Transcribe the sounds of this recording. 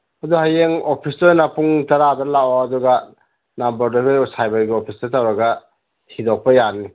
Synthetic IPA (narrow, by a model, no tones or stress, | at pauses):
ɐduhajeŋopʰistojnapuŋtɐɾadɐlawaːduɡɐ | nambɐɾduɡɯjsajbɐɾɡiopʰistɐtawɾɐɡɐ | hidɔk̚pɐjani